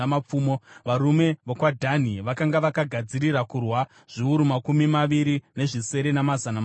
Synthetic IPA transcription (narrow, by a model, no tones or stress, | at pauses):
map͡fuːmoʋaɾume̞ʋokwadʱaniʋakaŋɡaʋakaɡʱad͡ziriɾakurwa | ʐ̥iuɾumakumimaʋiɾine̞ʐise̞ɾe̞namazanam